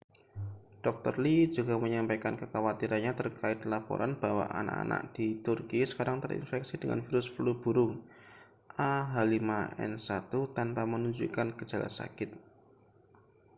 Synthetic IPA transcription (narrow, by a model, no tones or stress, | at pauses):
d̥ɔk̚t̪ɔrlid͡ʒuɡa̤məɲampajkankəkawat̪iɾanɲat̪ərkaɪt̪̚lapɔ̰ɾanb̥a̤wa̰ʔa̰na̰ʔa̰na̰ʔ̚d̥it̪ʊrkisə̥kaɾaŋt̪əɾḭnfɛksid̥əŋa̰nfiɾʊsplub̥uɾʊŋ | ʔaɦalimaʔɛ̰nsat̪ut̪anpamənuɲd͡ʒṵkanɡə̥d͡ʒ̥a̤la̰sa̰kɪt̪̚